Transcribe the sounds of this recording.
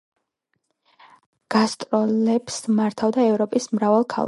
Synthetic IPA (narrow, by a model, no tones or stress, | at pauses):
ɡ̥ast̪ʼɾɔlɛbsmaɾt̪ʰavd̪aɛvɾɔpʼismɾavalˠkʰa̰lˠa